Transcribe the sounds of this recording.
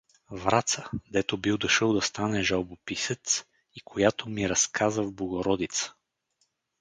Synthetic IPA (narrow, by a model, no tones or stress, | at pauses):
vɾat̪səd̪ɛt̪obiwd̪ɐʃəlˠd̪ɐst̪anɛʒawbopisɛt̪s | ikʰojat̪omiɾɐskʰazəvblˠoɡoɾɔd̪it̪sə̥